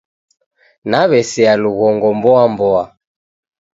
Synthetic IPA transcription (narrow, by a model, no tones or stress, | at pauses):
naβɛsɛaluɣɔŋɡɔmbɔambɔa